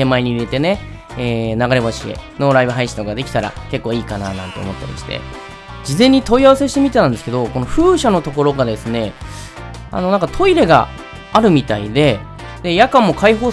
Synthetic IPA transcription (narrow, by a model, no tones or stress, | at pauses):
emaiɲ̟iiɾe̞t̪e̞ne̞ | eːnaɡaɾeβaɕie̞̰no̞ɾaibɯ̟ɦaiɕiokoɡad̪e̞kʲi̥t̪aɾa̰ke̞kːo̞ːiːkananã̰nt̪e̞omo̞t̪ːa̰ɾʲḭɕi̥t̪e̞̰ | d͡ʑizẽ̞ɲ̟ːit̪o̞iaβase̞ɕ̬i̥t̪e̞mʲit̪e̞nãnd̪esɨ̥ke̞d̪o̞ko̞no̞ɸɯ̟ːɕano̞t̪o̞ko̞ɾo̞ɡad̪e̞sɨne̞ | a̰no̞nãŋkat̪ʰo̞iɾe̞ɡa̰ | aɾɯ̟mʲit̪aid̪e̞ | d̪e̞jakãmːo̞kaiɦo̞ː